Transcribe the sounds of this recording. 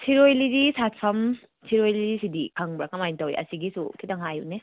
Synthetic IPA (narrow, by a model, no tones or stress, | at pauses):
sʰiɾojlidisat̚sʰɐm | sʰiɾojlidisidikʰaŋbɾakɐmajntɐwḭʔɐ̰siɡisṵkʰitɐŋɦajṵne